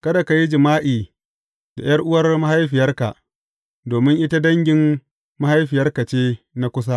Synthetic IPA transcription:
kɐ˦da˨ka˨ji˦d͡ʒɪ˨maː˦ʔiː˨ | da̰˨jɐ˦rʔʊ˦wɐ˦rma˦ha˦jɸɪ˨jɐ˦rka˨ʔ | doː˨mɪ˦ŋʔɪ˦ta˦dɐ˦ŋɡʲɪ˨m | ma˦ha˦jɸɪ˨jɐ˦rkɐ˨t͡ʃeː˦ | na˦kʷʊ˦sa˦

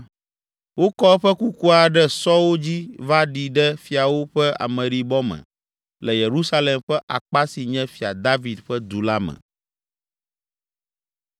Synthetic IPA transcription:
wo˦kɔ˦ɸɛ˦ku˦ku˦a˨ɖɛ˦sɔ˦wo˦d͡ʑi˦va˦ɖi˨ɖɛ˦fi˨a˨wo˦ɸɛ˦ʔa̰˨mɛ̃˨ɖi˨bɔ˦mɛ̰̃˨ | lɛ˨je˨ɾu˦sa˦lɛ˨mɸɛ˦ʔa̰˨k͡pa˦si˨ɲɛ̃˦fi˨a˨d̪a˦vi˨d̪ɸɛ˦d̪u˨la˦mɛ̰̃˨

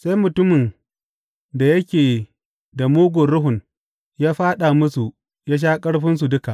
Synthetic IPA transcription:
sa˦jmʊ˨tʊ˦mɪ˨n | da˨jɐ˦kʲeː˨ | da˨moː˦ɡʷo˨ɽʊ˦ɦʊ˨n | jaː˦ɸaː˦ɗa˨mʊ˦su˨ | jaː˦ʃ̬aː˦kʼɐ˦ɽɸɪ˦ns̬u˨dʊ˦ka˨ʔ

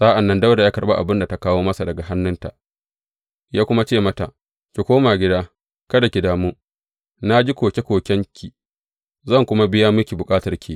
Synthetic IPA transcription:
sʼaː˦ʔa˨nːɐ˦ndɐ˦wda˨jaː˦kɐ˨ɓa˦ʔa̰˨bɪ˦nda˨ta˦kaː˦woː˦mɐ˦sa˨dɐ˨ɡa˨ɦa˦nːʊ˦nta˨ʔ | jaː˦kʷʊ˦ma˦t͡ʃeː˦˨mɐ˦ta˨ʔ | kʲi˨kʷoː˦maː˨ɡʲɪ˦daː˦ | kɐ˦da˨kʲi˨daː˨mu˦ | na˦d͡ʒi˦kʷoː˨kʲe˦kʷoː˨kʲɛ˦ŋkʲʰi˨ | zɐ˦˨ŋkʷʊ˦ma˦bɪ˦jaː˦mʊ˦kʲi˨bʊ˨kʼaː˦tɐ˨rkʲʰi˦˨

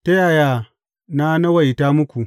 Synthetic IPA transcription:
tɐ˦jaː˨jaː˦ | na˦nɐ˦wɐ˨jtaː˦mʊ˦kʷu˨

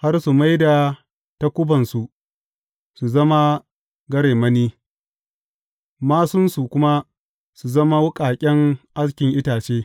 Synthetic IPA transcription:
ha˦rsu˨ma˦jda˨ | ta˦kʷʊ˦bɐ˨nsu˨ | su˨zɐ˦ma˦ | ɡɐ˦ɽeː˨mɐ˦niː˦ | maː˦sʊ˦nsu˨kʷʊ˦ma˦ | su˨zɐ˦ma˦wʊ˦kʼaː˨kʲʼɛ˦ŋʔa˦s̬kʲɪ˨ŋʔɪ˦taː˨t͡ʃeː˦

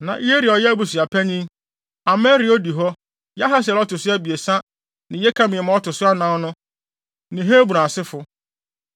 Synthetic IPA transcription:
nã˨ʔe˦ɾi˨ɔ˨jɛ˦bu˨si˨a˨pʰæ˦ɲĩ˦ | a˨mɛ˦ɾi˨ɔ˦di˨ɦɔ˦ | ja˦ɦa˦s̬ɛ˨lɔ˦tʊ˨sʊ˦æ˦bi˨e˨sã˦ | nɪ̃˨˦jɛ˦kʰã˦mɪ̃˨ɛ˨mã˨˦ɔ˦tʰʊ˨sʊ˦a˦nã˦nʊ̃˦ | nɪ̃˨ɦe˦bu˨ãː˨sɪ˦fʊ˦

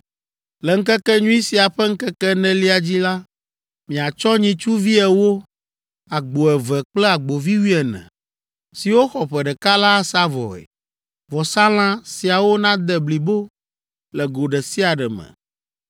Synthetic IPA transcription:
lɛ˨ŋ̩˦kɛ˦kɛ˦ɲũ˦i˦si˨a˨ɸɛ˦ŋ̩˦kɛ˦kɛ˦nɛ̃˦li˦a˨d͡ʑi˦la˦ | mĩ˨a˨t͡ʃɔ˦ɲĩ˨t͡ʃu˦vi˦ɛ˨wo˦ | a˨ɡ͡bo˨ɛ˨vɛ˨k͡plɛ˦a˨ɡ͡bo˨vi˦wi˦ɛ˨nɛ̰̃˨ | si˨wo˦xɔ˨ɸɛ˨ɖɛ˨ka˦la˦sa˦vɔ̰˨ɛ̰˨ | vɔ˨sa˦l̃ã˦si˨a˨wo˦nã˦d̪ɛ˨bli˨bo˦ | lɛ˨ɡo˨ɖɛ˨si˦a˨ɖɛ˨mɛ̰̃˨

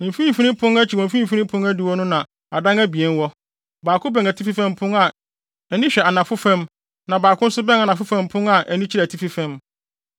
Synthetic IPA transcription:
nɪ̃˨m˨fĩ˦˨fi˦nɪ̃˦pʰʊ̃˦ŋæ˦t͡ɕʰi˨wɔ̃˨fĩ˦˨fi˦nĩ˦pʰʊ̃˦ŋæ˦dɪ˨wɔ˦nʊ̃˦nã˨ | a˨dã˦ŋæ˦bi˨ɛ˦nwɔ˦ | baː˨kʰʊ̃˦bɛ̃˨ŋæ˨tʰi˦fi˦fɛ̃˦mpʰʊ̃˦ŋa˨ | ɛ˨nĩ˦ɕᶣɛ˨a˨nã˨fʊ˦fɛ̃˦m | nã˨baː˨kʰʊ̃˦n̩˦sʊ˦bɛ̃˦ŋa˨nã˨fʊ˦fɛ̃˦m˦pʰʊ̃˦ŋa˨ʔɛ˨nĩ˦t͡ɕʰi˦ɾæ˨tʰi˦fi˦fɛ̃˦m

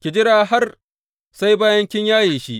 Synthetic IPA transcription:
kʲɪ˨d͡ʒɪ˦ɽaː˨ɦa˦r | sa˦jbaː˦jɐ˦ŋkʲɪ˦ɲjaː˦jeː˨ʃi˦ʔ

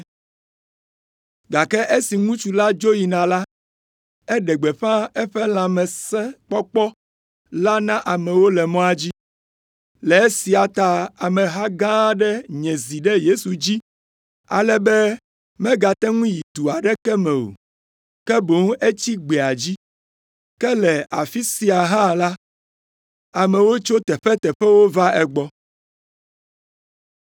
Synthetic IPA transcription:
ɡa˨kɛ˦ʔe˦si˨ŋũ˦t͡ʃu˨la˦d͡ʒo˦ji˨nã˨la˦ | ɛ˦ɖɛ˨ɡ͡bɛ˨ɸã˦ɛ˦ɸɛ˦lã˨mɛ̃˨sɛ˦k͡pɔ˦k͡pɔ˦ | la˦nã˦ʔa˨mɛ̃˨wo˦lɛ˨mɔ̃˦a˦d͡ʑi˦ | lɛ˨e˦si˨a˨t̪a˨a˨mɛ̃˨ɦa˦ɡã˦ɖɛ˦ɲɛ̃˨zi˨ɖɛ˦je˦su˨d͡ʑi˦ | a̰˨lɛ˦bɛ˦ | mɛ̃˦ɡa˨t̪ɛ˦ŋũ˦ji˨t̪u˨a˨ɖɛ˦kɛ˦mɛ̃˨o̰˨ | kɛ˦bo˨˦ŋ˦ʔe˦t͡ɕi˦ɡ͡be˨a˨d͡ʑi˦ | kɛ˦lɛ˨a˨fi˦si˦a˨ɦã˦la˦ | a˨mɛ̃˨wo˦t͡ʃo˦t̪ɛ˨ɸɛ˦t̪ɛ˨ɸɛ˦wo˦va˦ɛ˨ɡ͡bɔ˦

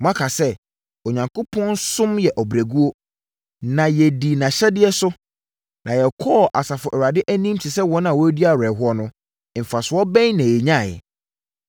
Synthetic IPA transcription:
mã˦kʰa˨sɛ˦ | o˨ɲã˨ŋkʰo˦pʰɔ̃˦n˦sʊ̃˦mjɛ˨ʔɔ˨bɾæ˨ɡu˦o˦ | nã˨jɛ˨di˨nã˨ɕɛ˦dɪ˦ɛ˦sʊ˦ | nʔã˨jɛ˨kʰɔ˦˨ʔa˨sa˨fʊ˨ʔɛ˨ɾa˨dɪ˦ʔæ˦nĩ˦mtʰɪ˨sɛ˦wɔ̃˦n˦ã˨wɔ˦æ˦di˦a˨ɾɛ˨ɦʊ˦ɔ˦nʊ̃˦˨ | fa˨sʊ˨˦ɔ˦bɛ̃˦ɲnã˨jɛ˨ɲã˦˨jɛ̰˨

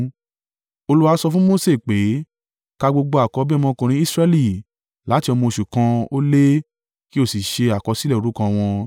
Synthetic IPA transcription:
o˧lu˦wa˦sɔ˧fũ˦mo˦se˦˨k͡pe˨˦ | ka˧ɡ͡bo˧ɡ͡bo˧a˨kɔ˧˦bi˦ɔ˧mɔ̃˧kũ˧ɾ̃ĩ˧˦i˦sɾɛ˧˦li˦˨ | la˨˦ti˧ɔ˧mɔ̃˧o˧ʃu˨kã˧o˦le˦ | ki˦o˦˨si˨ʃe˧a˨kɔ˧si˦lɛ˦˨o˨ɾu˦kã˧w̃ɔ̃˧

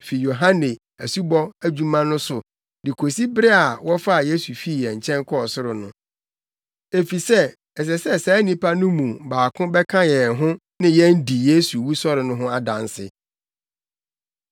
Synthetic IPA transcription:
fi˨jo˨ɦã˦nẽ˨ | æ˨su˦bɔ˦æ˦d͡ʑu˦mã˦nʊ̃˦sʊ˨ | dɪ˨kʰo˨si˦bɪ˦ɾɪ˦a˨wɔ˦fa˦˨je˦su˨fi˦˨jɛ̃˨ɲ˨t͡ɕʰɛ̃˦ŋkʰɔ˦ɔ˨sʊ˦ɾʊ˨nʊ̃˦ | e˨fi˨sɛ˦ | ɛ˨s̬ɛ˨sɛ˦sɛː˨˦nĩ˦pʰa˦nʊ̃˦mũ˨baː˨kʰʊ̃˦bɛ˦kʰã˦jɛ˨ɦʊ̃˦ | nɪ̃˦jɛ˦n̩˦di˨je˦su˨wu˦sɔ˦ɾɪ˨nʊ̃˦ɦʊ̃˦a˦dã̰˨n˦sɪ̰˨

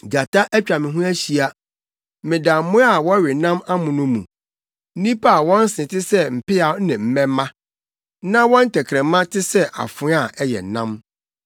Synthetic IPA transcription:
d͡ʑa˨tʰa˦ʔɛ˦t͡ɕᶣa˨mɪ̃˨ɦũ˦æ˦ɕi˨a˦ | mɪ̃˨da˨˦mʊ̃˦a˦˨wɔ˦ɥɪ˨nã˦ma˦mʊ̃˨nʊ̃˦mṵ̃˨ | n̩˦nĩ˦pʰa˦a˨wɔ̃˦n̩˦sɪ̃˨tʰɪ˦sɛ˦m̩˨pɪ˦a˨˦nɪ̃˨m̩˦mɛ̃˦mːã˦ | nã˦wɔ̃˦n̩˦tʰɛ˨kʰɾɛ̃˨mã˦tʰɪ˦sɛ˦ʔa̰˨fʊ̃˦a˦˨ʔɛ˦jɛ̰˨nã˦m

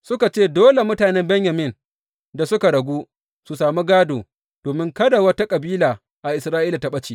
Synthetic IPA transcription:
sʊ˦ka˨t͡ʃeː˦˨doː˦le˨mʊ˦taː˨nɛ˦mbɛ˦ɲjɐ˨mɪ˦˨n | da˨sʊ˦ka˨ɽɐ˨ɡʷuː˦ | su˨saː˨mi˦ɡaː˦doː˨ | d̥oː˨mɪ˦ŋkɐ˦da˨wɐ˦ta˦kʼɐ˨biː˦laː˨ | ʔa˨ʔɪ˨sɾaː˦ʔiː˦la˨ta˦ɓɐ˦t͡ʃiː˦

